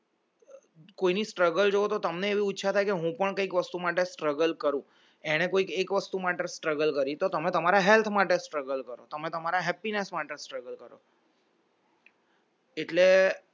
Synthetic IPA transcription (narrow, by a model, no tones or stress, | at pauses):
koinisʈɾəɡəld͡ʒoot̪ot̪əmneːʋiʊtːʃʰat̪ʰajkeɦũpəɳkəikʋəst̪umaʈesʈɾəɡəlkəɾũ | eɽ̃ekoikekʋəst̪umaʈesʈɾəɡəlkəɾit̪ot̪əmẽt̪əmaɾaɦɛlt̪ʰmaʈesʈɾəɡəlkəɾot̪əmẽt̪əmaɾaɦɛpinesmaʈesʈɾəɡəlkəɾo̰ | eʈle